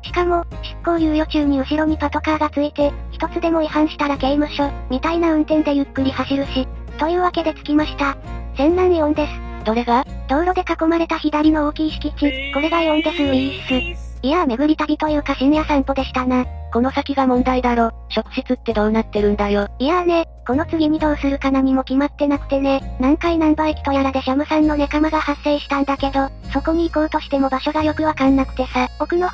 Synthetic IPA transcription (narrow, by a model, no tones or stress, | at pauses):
ɕi̥kamo̞ | ɕi̥kːo̞ːjɯ̟ːjo̞t͡ɕɨːɲ̟iɯ̟ɕiɾo̞mʲipat̪o̞kaːɡat͡sɨit̪e̞çi̥t̪o̞t͡sɨd̪e̞mo̞ihãɰ̃ɕi̥t̪aɾaɡeimaɕoːm̟it̪ainaɯ̟̃nt̪ẽ̞nd̪e̞jɯ̟kːɯ̟ɾʲihaɕiɾɯ̟ɕi | t̪o̞jɯ̟ːβake̞d̪e̞t͡sɨ̥kʲimaɕi̥t̪az̥ẽ̞nːãnːiõnt̪e̞sɨ̥ | d̪̥o̞ɾe̞ɡad̪̥o̞ːɾo̞d̪e̞kako̞maɾe̞t̪açid̪aɾʲino̞oːkʲiːɕi̥kʲit͡ɕiko̞ɾe̞ɡajõ̞nt̪e̞sɨnoiːɕi̥sɨ | iame̞ɡɯ̟ɾʲit̪aɾʲit̪o̞jɯ̟ːkaɕinjasãmpo̞d̪e̞ɕi̥t̪anako̞no̞sakʲiɡamõ̞nd̪aid̪aɾo̞ː | ɕo̞kɯ̟̥ɕit͡sɨt̪ːe̞d̪o̞ːnat̪ːe̞ɾɯ̟̃nd̪ajo̞ijane̞ | ko̞no̞t͡sɨɡʲimʲid̪o̞ːsɨɾɯ̟kanaɲ̟ʲimo̞kʲimat̪ːe̞nakɯ̟̥t̪e̞ne̞nãŋkainãmbaikʲi̥t̪o̞jaɾad̪e̞ɕamɯ̟sãnːo̞nakamaɡahasːe̞ːɕi̥t̪ãnd̪ake̞d̪o̞ | so̞ko̞ɲ̟iːko̞ːt̪o̞ɕi̥t̪e̞mo̞baɕo̞ɡajo̞kɯ̟βakãnːakɯ̟t̪e̞sao̞kɯ̟no̞